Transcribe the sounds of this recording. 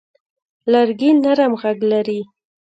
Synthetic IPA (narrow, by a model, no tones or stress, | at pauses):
laɾɡinaɾamɣaɡlaɾi